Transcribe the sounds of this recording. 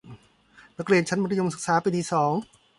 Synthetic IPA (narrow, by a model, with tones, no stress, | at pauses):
na˦˥kɾi˧ənt͡ɕʰa˦˥nba˧nʰa˧jo˧msɯ˨˩k̚saː˨˩˦pa˧nt̪ʰiː˧sɔː˩˦ŋ